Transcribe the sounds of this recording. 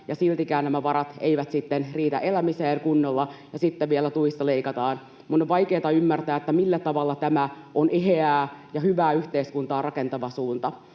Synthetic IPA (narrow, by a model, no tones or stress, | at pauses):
jɑsilt̪ikæːnnæmæʋɑɾɑt̪ḛiʋæt̪sit̪ːenriːt̪æ̰ʔelæmiseːŋkunːolːɑjɑsit̪ːeʋielæt̪uisːɑleikɑt̪ɑːn | munoʋʋɑjkeːt̪ɑymːært̪æːet̪ːæmilːæt̪ɑʋɑlːɑt̪æmæ | oneɦeæːjɑhyʋæːyht̪eːskunt̪ɑːrɑkent̪ɑʋɑsuːnt̪ɑ